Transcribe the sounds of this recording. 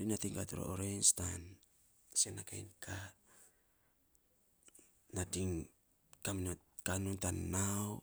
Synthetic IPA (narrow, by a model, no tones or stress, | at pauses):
ɾinatiŋkatuɾo̰ʔoɾejnstan | senakajnkʰa | nadiŋ | kaminot̚kanuntanːaw